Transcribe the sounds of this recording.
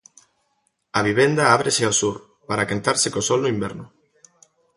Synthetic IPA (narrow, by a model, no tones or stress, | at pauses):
aβ̞iβ̞end̪aaβɾeseawsuɾ | paɾakant̪aɾsɪkosɔlnoimbɛɾnʊ